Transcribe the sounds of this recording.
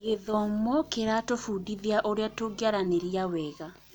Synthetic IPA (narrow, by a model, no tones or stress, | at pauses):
ɣeðɔmɔkeɾatofudiðeaʔoɾeatoɡjaɾaneɾiawɛɣa